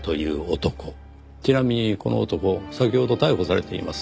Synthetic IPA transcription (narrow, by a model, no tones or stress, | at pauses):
t̪o̞jɯ̟̰ːot̪o̞ko̞ | t͡ɕinamʲiɲ̟iko̞no̞̰ot̪o̞ko̞sakʲoho̞d̪o̞t̪aiho̞saɾe̞̰t̪e̞ḭmasɨ̥